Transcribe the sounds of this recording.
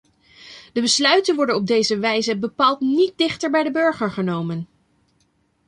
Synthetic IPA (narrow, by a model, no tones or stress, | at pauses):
d̥əbəslœɥtənʋɔɹdənɔb̚dejzəʋɛjzəbəpaːlˠtnit̚dɪχtəɹbɛjdəbɵɹχəɹχənowmən